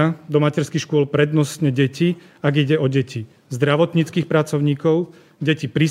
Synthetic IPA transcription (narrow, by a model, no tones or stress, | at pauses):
ad̪ɔmacɛɾskixʃkʊɔlpɾɛd̪nɔsɲɛɟɛci | aɡiɟɛɔɟɛci | zd̪ɾaʋɔt̪ɲiːt͡skiːxpɾat͡sɔʊɲiːkɔʊ | ɟɛcipɾi